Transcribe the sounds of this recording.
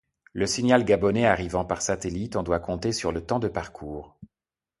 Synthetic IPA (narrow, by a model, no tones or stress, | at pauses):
ləsinjalɡabɔneaʁivɑ̃paʁsat̪elit̪ɔ̃d̪wakɔ̃t̪esyʁlət̪ɑ̃d̪əpaʁkʰuːʁ